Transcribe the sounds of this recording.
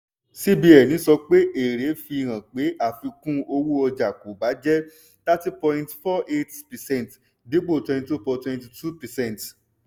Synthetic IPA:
si˦bi˧ɛ˨nĩ˨˦sɔ˧k͡pe˦ʔe˨ɾe˨˦fi˧ɾ̃ã˨k͡pe˨˦ʔa˦˨fi˧kũ˦o˧wu˦ɔ˧d͡ʒa˨ku˨˦ba˨˦d͡ʒɛ˦ | ta˦ti˦pɔ̃˧jĩntfɔ˦ʔe˦tpɛ˨sɛ̃˦˨t | de˨˦ɡ͡bo˦˨twɛ̃˧ĩ˧to˦pɔ˧twɛ̃˧nti˧˨tʰu˦pɛ˨sɛ̃˦˨nt

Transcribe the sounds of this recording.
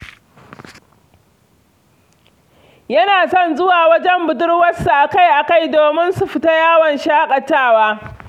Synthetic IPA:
jɐ˦naː˨sɔ˦˨nzʊ˦waː˨wɐ˦d͡ʒɛ˦mbʊ˨dʊ˦rwɐ˦sːu˨ʔa˨ka˦jʔa˨ka˦˨jdoː˨mɪ˦nsu˨ɸɪ˨ta˦jaː˦wɐ˨nʃaː˦kʼɐ˨tːaː˦˨waː˦

